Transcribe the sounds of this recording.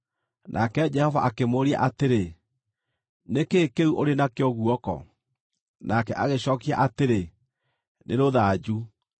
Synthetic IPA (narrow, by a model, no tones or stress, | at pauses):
nʔakɛd͡ʒɛhɔvaʔakemoɾia̰ʔateɾe | nekekeuʔoɾenakeɔɣuɔkɔ̰ | nakɛʔaɣeɕɔːkia̰ʔateɾe | nʔḛɾoðaːd͡ʑu